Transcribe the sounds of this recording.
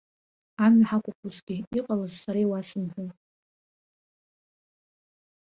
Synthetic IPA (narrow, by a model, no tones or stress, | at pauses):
amaħakʷʰʼʊpʷʰuzɡʲɪiqʼalɨzsaɾajwasɨmħʷʊn